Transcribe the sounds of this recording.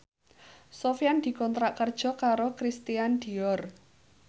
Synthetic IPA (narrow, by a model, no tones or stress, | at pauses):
sofjand̪̥i̤kɔnt̪ɾaʔkərd̥ʒ̥ɔ̤kaɾokɾist̪iand̪̥i̤ɔr